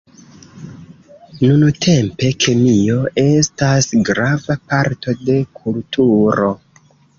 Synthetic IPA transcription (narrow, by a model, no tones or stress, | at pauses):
nuntʰe̞mpe̞kʰe̞mio̞e̞stasɡɾavapaɾto̞de̞kʰultʰuɾo̞